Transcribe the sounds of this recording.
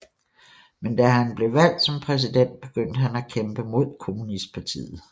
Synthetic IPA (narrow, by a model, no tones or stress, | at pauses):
mend̥æɦænb̥le̝ʋæl̰d̥sɒ̽mpʰʁɛs̬id̥en̰d̥̚b̥e̝ɡ̥øn̰d̥əɦænækʰemb̥əmo̝ð̞̰ˠkʰo̝munisd̥̚pʰɑ̈t͡sʰḭːð̩ˠ